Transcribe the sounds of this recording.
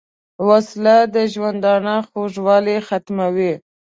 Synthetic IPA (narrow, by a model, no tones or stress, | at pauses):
waslad̪əʒwand̪ɑnaxoʐwɑlexat̪mawi